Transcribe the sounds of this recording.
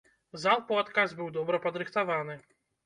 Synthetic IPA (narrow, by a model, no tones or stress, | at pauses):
zalˠpɔat̪kazbɨwd̪ɔbɾɐpɐd̪ɾɨxt̪aʋanɨ